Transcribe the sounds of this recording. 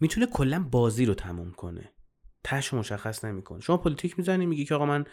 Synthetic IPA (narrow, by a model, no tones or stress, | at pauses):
miːt̪ʰune̞kʰo̞lːænbɒːziːɾot̪ʰæmṵmkʰo̞̰ne̞̰ | t̪ʰæhʃomo̞ʃæxːæsne̞mikʰo̞̰neʃo̞mɒːpʰolit̪ʰicʰmizænimiɟicʰeɒːɣɔmæn